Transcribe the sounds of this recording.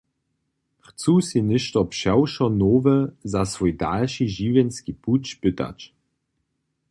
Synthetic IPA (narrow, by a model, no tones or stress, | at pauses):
χt͡susinɪʃtɔpʃɛwʃɔnoːvəzasvojda̰lʃiʒivenskiput͡ʃpɪta̰t͡ʃ